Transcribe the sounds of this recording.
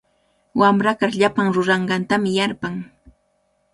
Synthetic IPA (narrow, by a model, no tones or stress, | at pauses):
wamɾakaχʎapaŋɾʊɾɑɴɢɑnt̪amɪjaɾpaŋ